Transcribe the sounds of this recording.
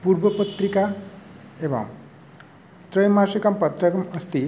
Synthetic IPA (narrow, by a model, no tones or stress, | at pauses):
puɾbəpət̪ɾika | ebɔ̰ŋ | t̪ɾʌjmaʃikɐmpɐt̪ɾɐkɐmɐst̪i